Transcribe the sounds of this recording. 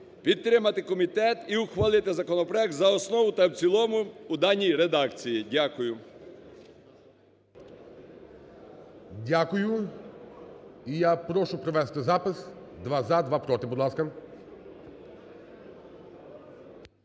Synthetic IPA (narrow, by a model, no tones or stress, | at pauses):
pʲit̪ːɾɪmɐt̪ɪkɔmʲit̪ɛt̪iʊxʋɐlˠɪt̪ɪzɐkɔnɔpɾɔjɛk̚t̪zɐɔsnɔʋʊt̪ɐwt͡sʲilˠɔmʊʊd̪ɑnʲːijɾed̪ɑkt͡sʲijidʲakʊjʊ | dʲakʊjʊ | ijapɾɔʃʊpɾɔʋɛst̪ɪzapɪs | d̪ʋazad̪ʋapɾɔt̪ɪbɔd̪lˠaskɐ